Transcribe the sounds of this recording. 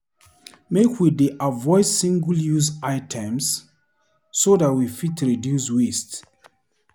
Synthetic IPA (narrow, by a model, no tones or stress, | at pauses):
mekʰwideʔavɔɪdsĩŋɡəljuzaɪtʰɛ̃msː | odat̚wifitʰɹidjuswist